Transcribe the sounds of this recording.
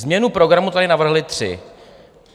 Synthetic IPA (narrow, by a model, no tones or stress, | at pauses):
zmɲɛnupɾo̞ɡɾamut̪adɪnavr̩ɦlɪt̪r̝̥ɪ̰